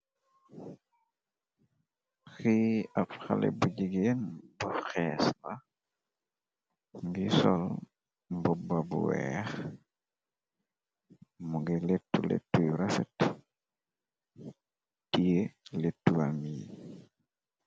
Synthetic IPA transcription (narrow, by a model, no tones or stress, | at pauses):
xiapxalḛbuɟiɡenbuxeːsla | ŋɡisol | bɔbabṵwɛx | muɡiletːulḛtːujuɾafet | tijeletːuwami